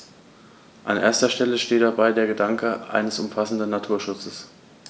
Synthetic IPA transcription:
ʔa̰nʔḛːɐstɐʃtɛləʃteːt̚d̥abaɪdeːɐɡədaŋkəʔa̰ɪnəsʊmfasn̩dnːatʰuːɐʃʊt͡səs

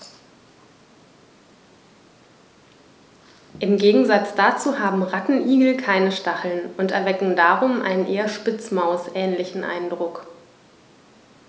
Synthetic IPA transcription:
ʔɪmɡeːɡŋ̩zat͡sd̥aːt͡suːɦaːbm̩ʁatn̩ʔiːɡl̩kʰaɪnəʃtaχl̩nʔʊntɛɐvɛkŋ̩daːʁʊmʔa̰ɪnənʔeːɐʃpɪt͡smaʊsʔɛːnlɪçn̩ʔa̰ɪndʁʊk

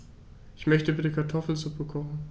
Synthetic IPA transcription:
ʔɪçmœçtəbɪtəkʰaɐtʰɔfl̩zupəkʰɔχn̩

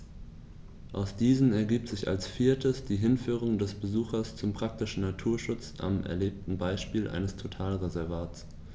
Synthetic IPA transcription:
ʔaʊsd̥iːzn̩ɛɐɡiːp̚tz̥ɪça̰lsfiːɐtʰəsd̥iːɦɪnfyːʁ̞ʊŋdɛsb̥əzuːxɐst͡sʊmpʁ̥ak̚tɪʃn̩natʰuːɐʃʊt͡sʔa̰mʔɛ̰ɐleːp̚tn̩baɪʃpiːlʔa̰ɪnəstʰotʰaːlʁezɛɐvaːt͡s

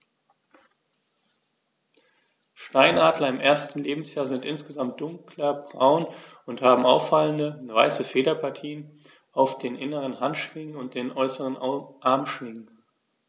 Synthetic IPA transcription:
ʃtaɪnʔaːdlɐɪmʔeːɐstn̩leːbm̩sjaːɐzɪntʔɪnsɡ̥əzamt̚d̥ʊŋklɐbʁaʊn | ʊnthaːbm̩ʔaʊfaləndəvaɪsəfeːɾɐpʰaɐtʰiːən | ʔaʊfd̥eːnʔɪnəʁənɦantʃv̥ɪŋənʊnt̚d̥eːnʔɔʏsəʁənʔaɐmʃv̥ɪŋən

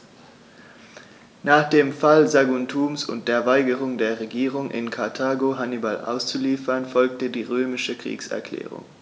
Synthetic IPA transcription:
naːχd̥eːmfalzaɡuntʰuːmsʊ̰nt̚d̥eːɐvaɪɡəʁ̞ʊŋdeːɐʁeɡiːʁ̞ʊŋʔɪ̰nkʰaɐtʰaːɡoɦanibalʔa̰ʊst͡suliːfɐnfɔlk̚tədiːʁøːmɪʃəkʁ̥ḭːksɛ̰ɐkl̥ɛ̰ːʁ̞ʊ̰ŋ

